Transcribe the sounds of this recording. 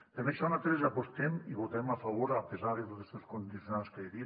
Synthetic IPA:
lemeksonat̪ɾezapost̪emiβot̪aemafaβoɾapezaɾðet̪ozest̪eskond̪iθjonanskeeði

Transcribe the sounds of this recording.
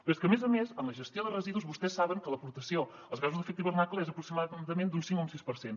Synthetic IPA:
pest̪kəmezəmezənləʒəst̪joðərəziðuzβust̪ɛsaβəŋkəlˠəpuɾt̪əsio | əlˠzɣazuzðəfɛk̚t̪iβəɾnaklˠəɛzəpɾuksimaðəmẽnd̪unsiŋkoũmsispəɾsen

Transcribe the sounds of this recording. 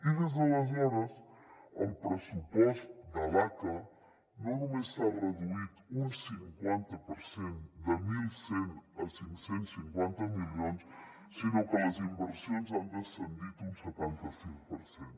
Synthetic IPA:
iðezðelazɲanasa̰mpɾesupwest̪d̪alaka | nonomesaɣɾaðuit̪unsiŋkwent̪apoɾsend̪emilsenasiŋsent̪siŋkwent̪amiljonsː | inokelasimbeɾsjons̬and̪esend̪it̪unset̪ent̪aseŋpoɾsjent̪

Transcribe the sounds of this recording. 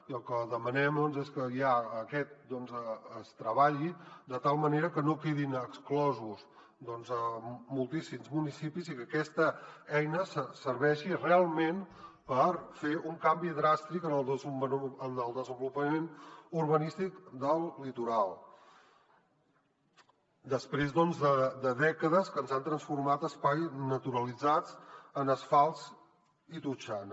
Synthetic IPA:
iəlˠkəðəmənɛmd̪ɔnzeskəjaəkɛt̪̚d̪ɔnzəəst̪ɾəβ̞aʎid̪ət̪alˠməneɾəkənokeðinəksklɔzuz | d̪ɔnzəmulˠt̪isimzmunisipizikəkɛst̪əɛjnəsəsəɾβɛʃirealˠmenpəɾfeʔuŋkambiðɾast̪ɾikənəlˠ | ənəlˠd̪əzəmbulupəmenuɾβənist̪ikd̪əlˠːit̪uɾalˠ | d̪əspɾezðɔnzðəd̪əðɛkəðəskənzant̪ɾənsfuɾmat̪əspajznət̪uɾəlid͡zat͡sənəsfalˠz | it̪ut͡ʃan

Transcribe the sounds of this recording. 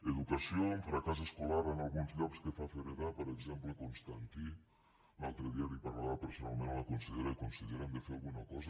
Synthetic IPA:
eðukasjoɱfɾakas̬eskolaɾanalˠɣunzʎɔkskefafeɾeɾapoɾekzɛmplekonst̪aŋk̪i | nalˠt̪ɾeðiaβipaɾlaðapeɾsona̰lˠmẽnlakonsiðeɾakonsiðeɾand̪efealˠɣunakɔza

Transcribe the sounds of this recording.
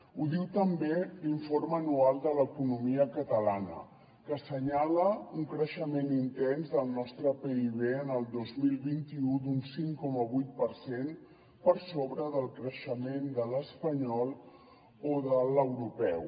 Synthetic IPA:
uðiwt̪əmbeliɱfoɾmənualˠd̪ələkunumiəkət̪əlanə̰ | kəsəɲaləuŋkɾəʃəmenint̪ɛnzðəlˠnɔst̪ɾəpeiβ̞eənəlˠd̪ozmilˠβint̪iud̪unsiŋkɔməβujt̪̚pəɾsen | pəɾsoβɾəðəlˠkɾəʃəmend̪ələspəɲɔlˠ | oðələwɾupɛw

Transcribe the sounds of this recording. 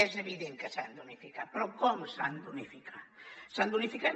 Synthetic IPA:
ɛzeβiðeŋkəsand̪unifikapɾɔkɔmsand̪unifikʰasand̪unifika

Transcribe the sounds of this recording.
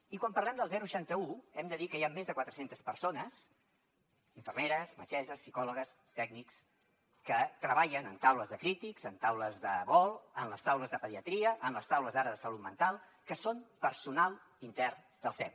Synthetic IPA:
ikwampərlɛmd̪əlˠzɛɾuʃant̪əuɛmd̪əðikəjamːezðəkwat̪ɾəsent̪əspəɾsonəs | iɱfərmeɾəsmə̰t͡ʃɛzəsːikɔləɣəs | t̪ɛk̚niks | kət̪ɾəβaʎənənt̪awləzðəkɾit̪ikzənt̪awləzðəβɔlˠənləst̪awləzðəpəðiət̪ɾiəʔənləst̪awləzðaɾəðəsəlut̪mənt̪alˠ | kəsonpəɾsunalˠ | int̪ɛr | d̪əlˠsɛw

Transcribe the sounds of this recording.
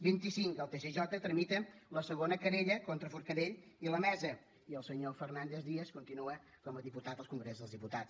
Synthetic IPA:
bint̪isiŋkəlˠt̪eseʒɔt̪ət̪ɾəmit̪ələsəɣonəkəɾeʎəkont̪ɾəfuɾkəðeʎiləmɛzə | iəlˠsəɲofərnand̪ezðiəskunt̪inuə | kɔməðiput̪at̪əlˠskuŋɡɾezðəlˠzðiput̪as

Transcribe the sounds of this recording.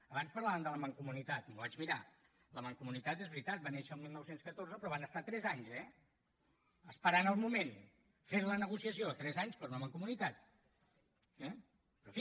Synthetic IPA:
əβanspəɾlaβəmnd̪ələməŋkumunit̪at̪muβad͡ʒmiɾa | ləməŋkumunit̪at̪ezβɾit̪at̪̚baneʃəlˠmilˠnɔwsenskət̪orzəpɾɔβanəst̪at̪ɾɛzaɲzɛ | əspəɾanəlˠmumen | feɾlənəɣusiəsiot̪ɾɛzaɲspəɾunəməŋkumunit̪at̪ | ɛ | pɾɔfi

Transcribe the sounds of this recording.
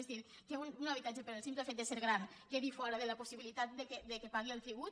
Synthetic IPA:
zðiɾ | keununaβit̪ad͡ʒepəɾelˠsimplefet̪̚d̪eseɾɣɾan | keðifɔɾəðelapusiβilit̪at̪̚d̪eked̪ekepaɣ̞ielˠt̪ɾiβ̞ut̪

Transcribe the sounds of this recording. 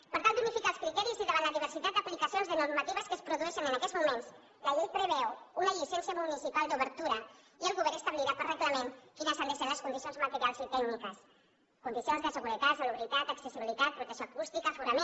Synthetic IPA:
pəɾt̪ant̪unifikalˠskɾit̪ɛɾiziðəβanləðiβ̞əɾsit̪at̪̚d̪əplikəsionzðənuɾmət̪iβəskəspɾuðuɛʃənənəkɛzmumens | ləʎej̚pɾəβɛwunəʎisɛnsiəmunisipalˠd̪uβəɾt̪uɾə | iəlˠɣuβɛɾnəst̪əβliɾapərəɣləmenfinəsand̪əʃɛnləskund̪isionzmət̪əɾialˠzit̪ɛɡnikəs | kund̪isionzðəsəɣuɾət̪at̪saluβɾit̪at̪əksəsiβilit̪at̪̚pɾut̪əksjoakust̪ikəfuɾəme

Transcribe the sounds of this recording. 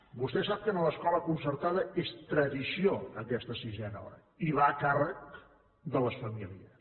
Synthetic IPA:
bust̪ɛsap̚kənələskɔləkunsəɾt̪aðəest̪ɾəðisioəkɛst̪əsizɛnəɔ̰ɾə̰ | iβaəkarək̚ | d̪ələsfəmiliəs

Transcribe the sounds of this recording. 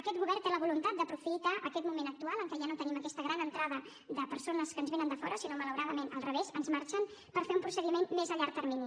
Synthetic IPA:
əkɛt̪̚ɣuβɛrt̪eləβulunt̪at̪̚d̪əpɾufit̪aʔəkɛt̪mumenək̚t̪ualˠəŋkɛʒanot̪əniməkɛst̪əɣɾanənt̪ɾaðə | ðəpəɾsonəskənzβenənd̪əfɔɾəsinomələwɾaðəmenə̰lˠrəβezənzmaɾt͡ʃənpəɾfeumpɾusəðimenmezəʎaɾk̚t̪ːəɾmini

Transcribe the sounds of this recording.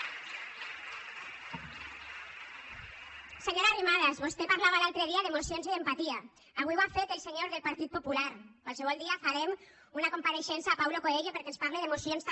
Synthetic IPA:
seɲoɾarimaðazβost̪epaɾlaβalalt̪ɾeð̞iaðemosionziðempat̪ia | aβiβafet̪elseɲoɾðelpaɾt̪it̪̚populaɾkwalseβ̞ɔlˠd̪iafaɾem | unakompaɾeʃɛnsaːpawlokoðeʎopeɾkɛenspaɾleðemusijons

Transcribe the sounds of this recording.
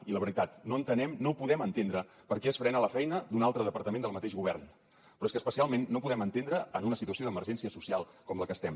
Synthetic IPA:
iləβəɾit̪at̪noənt̪ənɛmnowpuðɛmənt̪end̪ɾə | pəɾkɛəsfɾɛnələfɛjnəd̪unalˠt̪ɾəðəpəɾt̪əmẽnd̪əlˠmət̪eʒɣuβ̞ɛrn | pɾɔeskəspəsialˠmenːopuðɛmənt̪end̪ɾəənunəsit̪uəsioðəməɾʒɛnsiəsusialˠkɔmləkəst̪ɛm

